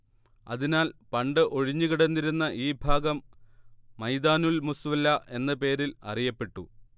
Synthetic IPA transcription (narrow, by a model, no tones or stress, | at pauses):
ɐ̰ðinaːlpɐɳɖɨʔo̞ɻiɲːuɣiɽɐnːiɾunːɐʔiːbʱaːɡɐmː | ɐjd̪aːnulmusʋɐlːɐʔe̞nːɐpe̞ːɾilɐ̰rijɐpːe̞ʈːu